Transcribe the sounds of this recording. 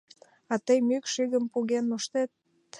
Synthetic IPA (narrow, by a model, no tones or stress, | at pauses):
ɑt̪əjmykʃyɣə̆mpuɣenoʃt̪et̪̚